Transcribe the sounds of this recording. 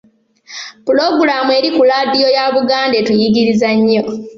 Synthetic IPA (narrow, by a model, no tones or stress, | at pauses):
pulo̞ɡuɾamue̞ːɾikulaːdijo̞jaβuɡaːnde̞tujiɡiɾizaɲːo̞